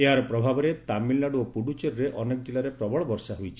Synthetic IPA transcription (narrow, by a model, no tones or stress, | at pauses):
eɦaɾɔpɾɔbʱabɔɾet̪amilnaɽuopuɽut͡ʃeɾɾeʔɔnekɔd͡ʒ̪ilaɾepɾɔbɔɭɔbɔɾsaɦujt͡ʃʰi